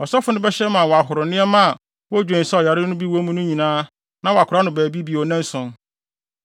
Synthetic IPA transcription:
ɔ˨sɔ˦fʊ˦nʊ̃˦bɛ˦ɕɛ˦mã˨wɔ˨a˨ɦʊ˨ɾʊ˨nɪ̃˦ɛ˦mã˦˨ | wɔ˦d͡ʑᶣɛ̃˨n̩˨sa˦ɔ˨ja˨ɾɪ˦nʊ̃˦bi˦wo˦mũ˦nʊ̃˦ɲĩ˨nãː˦ | nã˦wa˨kʰʊ˨ɾa˦nʊ̃˨bæː˨bi˦bi˨ɔ˨nɛ̃˦n˦sʊ̃˨n

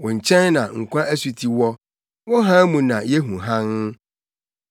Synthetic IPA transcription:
wɔ̃˨ɲ̩˨t͡ɕʰɛ̃˦nnã˨ŋ̩˨kʷʰã˦ʔæ˦su˨tʰi˨wɔ˦ | wɔ̃˦ɦã˦mũ˨nã˨jɛ˦ɦũ˨ɦã˦n˦

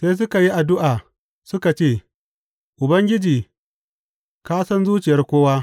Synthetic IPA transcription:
seː˦s̬ʊ˦ka˨ji˦ʔa˨dʊ˦ʔaː˨ | sʊ˦ka˨t͡ʃeː˦˨ | ʔʊ˨bɐ˦ŋɡʲɪ˦d͡ʒiː˨ | kaː˦sɐ˦nzuː˦t͡ʃɪ˨jɐ˦rkʷoː˦waː˦

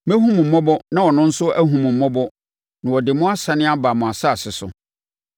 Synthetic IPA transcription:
mɛ̃˦ɦũ˦m̃˨m̩˨mɔ̃˦bɔ˦nã˦wɔ˨nʊ̃˦n̩˦sʊ˦æ˦ɦũ˨m̃˨m̩˨mɔ̃˦bɔ˦ | nã˨wɔ˨dɪ˨mʊ̃˦a˦sa˨˦nɪ̃˦a˦ba˨mʊ̃˨a˨sa˦˨sɪ˨sʊ̰˨

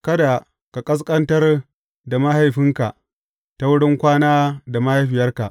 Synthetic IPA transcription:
kɐ˦da˨ | ka˨kʼɐ˦s̬kʼɐ˦ntɐ˦r | da˨ma˦ha˨jɸɪ˦ŋka˨ʔ | ta˦wʊ˦ɽɪ˦ŋkʷaː˦naː˦da˨ma˦ha˦jɸɪ˨jɐ˦rka˨ʔ

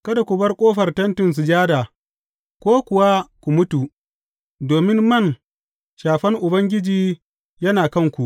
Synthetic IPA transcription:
kɐ˦da˨kʷʊ˨bɐ˦rkʷʼoː˦ɸɐ˨rtɐ˦ntɪ˨ns̬u˨d͡ʒaː˦daː˨ | kʷoː˦kʷʊ˨wa˦kʷu˨mʊ˦tu˨ | doː˨mɪ˦mmɐ˦˨ŋ | ʃaː˨ɸɐ˦ŋʔʊ˨bɐ˦ŋɡʲɪ˦d͡ʒiː˦ | jɐ˦naː˨kɐ˦˨ŋkʷu˨ʔ

